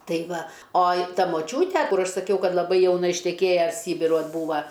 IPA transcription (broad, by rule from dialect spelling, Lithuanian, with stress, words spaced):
ˈtɐɪ ˈʋɐ ˈoːj ˈtɐ moːˈt͡ʃʲuːtʲɛ ˈkʊr ˈɐʃ sɐˈkʲɛʊ ˈkɐt lˠɐˈbɐɪ jɛʊˈnɐ ɪʃʲtʲɛˈkʲeːjɛ ˈsʲiːbʲɪruɔj ˈbuːʋɐ